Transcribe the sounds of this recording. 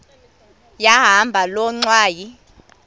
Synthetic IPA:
jaɦambʱalɔŋ͡ǀwaːji

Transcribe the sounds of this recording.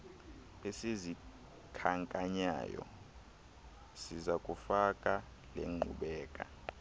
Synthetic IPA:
esezi | kʰaŋkʼaɲa̰ːjɔ̰ | sizakʼufakʼa | leŋ͡ǃʱṵɓɛːkʼa̰

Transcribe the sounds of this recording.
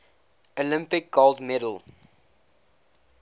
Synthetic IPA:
olɪ̃mpɪk̚ɡɔldmɛdəl̩ˠ

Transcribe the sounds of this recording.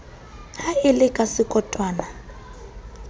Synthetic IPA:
haɪlɪkʼasɪkʼɔtʼwaːna

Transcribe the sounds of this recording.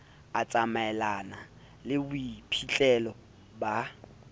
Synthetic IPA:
at͡sʼamaɛlana | lɪbuipʰit͡ɬʼɛlɔ | ba

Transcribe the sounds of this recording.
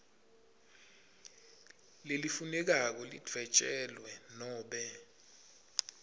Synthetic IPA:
lelifunɛk̬ak̬ɔlid͡v̥ʱvɛt͡ʃʼɛlwɛnɔːɓɛ

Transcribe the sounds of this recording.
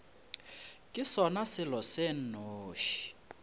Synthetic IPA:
kʼisɔnasɪlɔsen̩noːʃi̥

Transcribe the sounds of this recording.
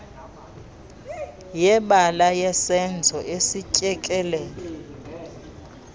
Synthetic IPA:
jɛɓalajɛsɛnd͡zʱɔʔesicʼɛkʼɛlɛːlɔ

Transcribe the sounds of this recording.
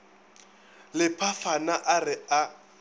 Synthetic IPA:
lɪpʰafanaʔarɪa

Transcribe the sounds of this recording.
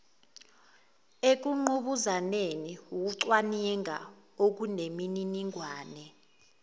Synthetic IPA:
ek̬uŋ͡ǃuɓuzaneniuk̬uǀwanɛŋʱa̰ok̬unemininiŋʱwaːnɛ

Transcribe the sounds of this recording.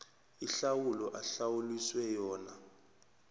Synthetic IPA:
iɬawulɔʔaɬawuliswɛjɔːna

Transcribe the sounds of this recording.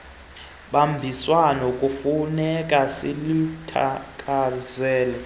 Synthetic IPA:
ɓambʱiswanokʼufunɛkʼasḭlutʰa̰kʼazɛːlɛ

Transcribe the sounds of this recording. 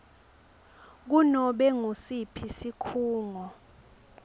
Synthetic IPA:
k̬unɔɓɛŋosipʰisikʰuːŋɔ

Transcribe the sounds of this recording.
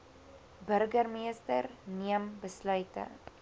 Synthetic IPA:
bɵrɡərmistərniəmbəslœɥtə̰

